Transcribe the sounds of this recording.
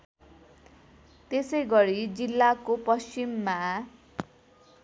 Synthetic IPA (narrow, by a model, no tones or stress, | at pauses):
t̪esʌjɡʌɾid͡zilːakopʌst͡simːa